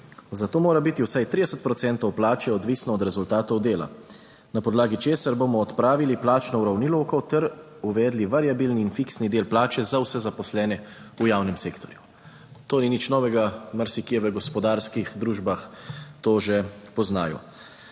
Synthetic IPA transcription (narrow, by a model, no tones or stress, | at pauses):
zat̪oːmoːɾabit̪iwsajt̪ɾid̪ɛsət̪̚pɾɔt̪sɛnt̪ɔwplaːt͡ʃɛɔd̪ʋiːsnɔːd̪ɾɛzult̪aːt̪ɔwd̪eːla̰ | napɔd̪laːɡit͡ʃeːsaɾboːmɔːt̪pɾaːʋiliplaːt͡ʃnɔuɾawnilokɔwt̪ɛɾ | uʋɛːd̪liʋaɾijabiːlniːnfiksnid̪eːlplaːt͡ʃɛzawsɛzapɔslɛːnɛ | ujaːwnɛmseːkt̪ɔɾju | t̪oːninit͡ʃnɔːʋɛɡamaɾsikijɛʋəɡɔspɔd̪aːɾskixd̪ɾuːʒbaxt̪oːʒepɔzna̰ːjɔ̰